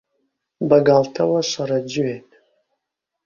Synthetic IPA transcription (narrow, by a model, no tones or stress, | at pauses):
baɡaltʰawaɕʷaɾad͡ʒɪɥetʼ